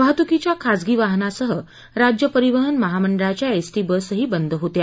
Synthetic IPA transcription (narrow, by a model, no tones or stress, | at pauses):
ʋəɦat̪ukit͡ɕjakʰasɡiːʋaɦnasəɦə | ɾad͡ʑjəpəɾiʋəɦənməɦaməɳɖɭat͡ɕjaesʈiːbəsɦiːbənd̪ʱɦot̪ja